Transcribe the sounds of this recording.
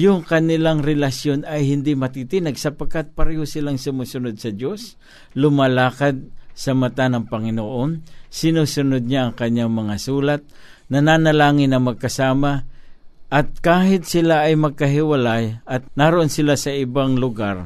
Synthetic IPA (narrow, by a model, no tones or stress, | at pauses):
jʊŋkɐnɪlaŋɾɛlasjonɐjhɪnd̪ɪmɐt̪it̪ɪnɐɡsɐpɐɡkat̪̚pɐɾɛːhosɪlaŋsʊmusʊnod̪̚sɐd̪o̞s | lʊmalaːkad̪̚sɐmat̪anɐŋpɐŋɪnoʔonsɪnuːsʊnod̪̚ɲaʔɐŋkɐɲːaŋmɐŋasuːlat̪̚ | nɐnanɐlaːŋɪnːɐmɐɡ̚kɐsaːma | ʔɐt̪̚kaːhɪt̪̚sɪlaʔːjmɐɡ̚kɐɦɪwalajɐt̪̚naɾoʔonsɪlasɐʔɪbaŋlʊɡaɾ